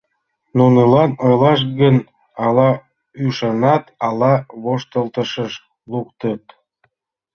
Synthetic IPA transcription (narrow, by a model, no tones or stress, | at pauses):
nunəlɑnojlɑʃ̬ɡən | ɑlɑ | yʃɑnɑt̪ɑlɑβoʃt̪əlt̪əʃəʃ | lukt̪ət̪̚